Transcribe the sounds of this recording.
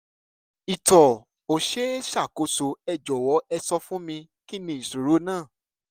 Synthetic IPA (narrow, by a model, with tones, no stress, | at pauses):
i˨tɔ˨ | o˨ʃe˦ʃa˦˨ko˨˦so˧ɛ˦˨d͡ʒɔ˨wɔ˨˦ʔɛ˧sɔ˧˦fũ˦mĩ˧ | ki˦˨nĩ˧˦i˨su˨ɾo˨˦nãː˦˨